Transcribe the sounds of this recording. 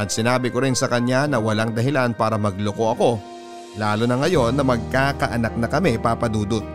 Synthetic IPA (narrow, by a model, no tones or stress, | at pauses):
ʔɐt̪̚sɪnaːbɪko̞ɾɪnsɐkɐɲːanɐwɐlaŋd̪ɐɦɪlanpaːɾɐmɐɡ̚loko̞ʔɐko̞ | laːlonɐŋɐjo̞nːɐmɐɡ̚kaːkɐʔɐnak̚nɐkɐmɛpaːpɐd̪uːd̪ot̪̚